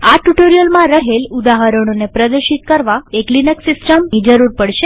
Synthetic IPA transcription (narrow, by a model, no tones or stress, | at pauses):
aʈuʈoɾijəlmãɾəɦelud̪aɦəɾəɽ̃onepɾəd̪əɾʃit̪̚kəɾʋaeklinəksɪsʈəmid͡ʒəɾuɾpəɽʃe